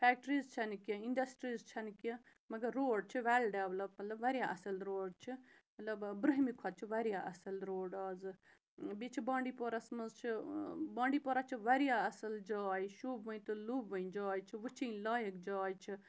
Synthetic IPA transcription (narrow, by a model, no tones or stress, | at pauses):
pʰɛːk̚ʈɾiːzt͡ʃʰɐnkʲiiɳɖɐsʈɾiːzt͡ʃʰɐnkʲi | mɐɡɐɾːoːɖ̚t͡ʃʰiʋelɖeʋlɐb̚mɐt̪lɐbʋɐɾjaʔɐsɐlɾoːɖt͡ʃʰimɐt̪lɐbbɾɨɦmikʰat͡ʃʰiʋɐɾijaʔɐsɐlɾoːɖaːzɨ | bit͡ʃʰibãːɳɖiːpoːɾasmɐzt͡ʃʰibãːɳɖiːpoːɾat͡ʃʰiʋɐɾijaɐsɐld͡ʒaːjiʃuːbʋəĩt̪ɨluːbʋɐĩd͡ʒaːjt͡ʃʰiʋɨt͡ʃʰiːlaːjəkd͡ʒaːjt͡ʃʰi